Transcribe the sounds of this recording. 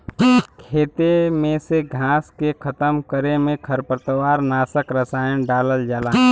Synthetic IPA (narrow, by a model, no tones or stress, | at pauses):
kʰeːt̪emẽseɡʱãːskekʰət̪əmkəɾemẽkʰəɾpəɾt̪əwaːɾnaːsəkɾəsaːjənɖaːləld͡ʒaːlaː